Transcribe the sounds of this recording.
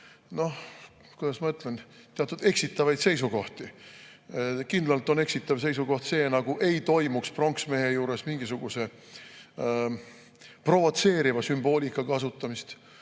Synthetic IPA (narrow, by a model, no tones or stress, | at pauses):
no̞h | kujd̪ɑsmɑɯt̪ˑlent̪eɑt̪ːˑud̪̥e̞ksit̪ːˑɑvɑjd̪se̞js̬uko̞ht̪i | kind̪lɑlt̪ˑo̞ne̞ksit̪ːˑɑvs̬e̞js̬uko̞ht̪se̞ːnɑɡ̥uʔe̞jt̪o̞jmuksprɑŋksme̞ːɦejuːɾe̞smiŋɡ̥isuɡ̥use̞ | pro̞vo̞t̪se̞ːɾivɑsymbo̞ːlʲikːˑɑkɑsut̪ːˑɑmist̪